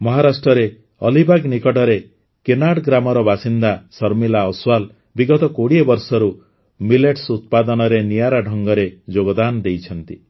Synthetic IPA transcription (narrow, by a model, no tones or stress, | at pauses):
mɔɦaɾasʈɾɔɾe | ɔlibaɡnikɔʈɔɾe | kenaɽɡɾamɔɾɔbasind̪asɔɾmilaɔswal | biɡɔt̪ɔkoɽiebɔɾsɔɾu | mileʈsut̪̚pad̪ɔnɔɾenijaɾaɖʱɔŋɡɔɾed͡ʒoɡɔd̪anɔd̪ejt͡ʃʰɔnt̪i